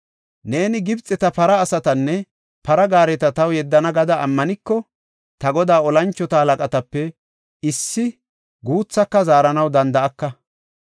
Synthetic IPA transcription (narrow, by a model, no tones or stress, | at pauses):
ne̞ːnɪɡɪbt͡sʼːɛt̪ɐpɐɾɐːsɐt̪ɐnːɛ | pɐɾɐɡaːɾɛt̪ɐt̪ɐwjɛd̪ːɐnɐɡɐd̪ɐʔːmːɐnɪkːɔ | t̪ɐɡɔd̪aːɔlɐnt͡ʃːɔt̪ɐhɐlɐkʼɐt̪ɐpːɛ | ɪsːɪ | ɡuːt͡sːɐkːɐzaːɾɐnɐwd̪ɐnd̪ɐʔɐkːɐ